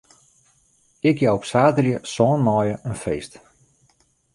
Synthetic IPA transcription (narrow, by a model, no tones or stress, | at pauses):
ɪkjawopsaːtərjəsɔːnmɔːjəʔənfeːst